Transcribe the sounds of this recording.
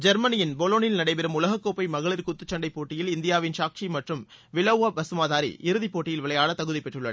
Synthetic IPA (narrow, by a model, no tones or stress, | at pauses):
d͡ʒɐɾmɐnɪjɪnbɔloːnɪlnɐɽɐɪpɛɾɯmʊlɐɣɐkːoːpːɐɪmɐɣɐɭɪɾkʊt̪ːɯt͡ʃːɐɳɖɐɪpoːʈːɪjɪlɪnd̪ɪjaːʋɪnsaːk̚t͡ʃimɐʈrɯmʋɪlɐʋabɐsɯmaːðaːɾḭʔɪɾɯðipoːʈːɪjɪlʋɪɭɐjaːɭɐt̪ɐɣɯðɐɪpːɛʈrɯɭːɐ